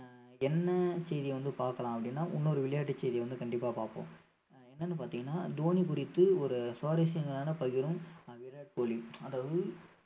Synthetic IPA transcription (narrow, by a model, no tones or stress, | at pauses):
ɛnːɐsɛjðɪjɐʋɐnd̪ɯpaːɾkɐlãːɐpːɐɽɪnːaːʔʊnːoɾɯʋɪɭɐjaːʈːɯt͡ʃːɛɪðɪjɐʋɐnd̪ɯkɐɳɖɪpːaːpaːɾpõ̰ː | ɛnːɐnːɯpaːɾt̪iːŋɡɐnːaːd̪oːnik̬ʊɾɪt̪ːɯɔɾɯsoːɾɐsɪjɐŋɡɐɭaːnɐpɐɣɪɾɯ̃mʋɪljaːʈkoːɭiɐðaːʋɐðɯ